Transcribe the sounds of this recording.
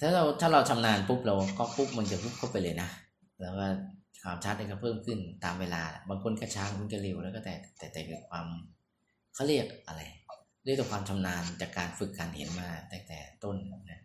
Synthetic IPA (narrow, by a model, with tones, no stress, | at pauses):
t̪ʰaː˥˩ɾa˧wt̪ʰaː˥˩wɾa˧wt̪ʰa˧mnaː˧npʰu˦˥p̚ɾɛ˧wkɔ˦˥˩pu˦˥p̚ma˧ŋt͡ɕa˨˩pu˦˥p̚kʰa˥˩wpa˧jlɤː˧jna˦˥ | lɛː˦˥wkɔː˥˩ | kʰwaː˧mt͡ɕʰa˦˥t̪̚ʔa˧kɔː˥˩pʰɤː˥˩mkʰɯ˧˥˩nt̪aː˨˧mweː˧laː˧la̰˨˧˩baː˧ŋkʰo˧nkʰa˧˥˩t͡ɕʰaː˦˥m˧o˧˦nka˧˩li˧˩wlɛ˦˥wkɔ˥˩t̪ɛː˨˩t̪ɛː˨˩t̪ɛː˨˩ki˨˩kʰwaː˧m | kʰa˥˩wɾi˥˩ək̚ʔa˧ɾa˧j | li˥˩k̚ːɛ˨˩kwaː˧mt͡ɕ̪ʰa˧mnaː˧nt͡ɕaː˨˩kːaː˧nfɯ˨˩kːaː˧nhḛ˩˦nmaː˥˩t̪ɛː˨˩k̚t̪ɛ̰ː˨˩t̪o˥˩nna˦˥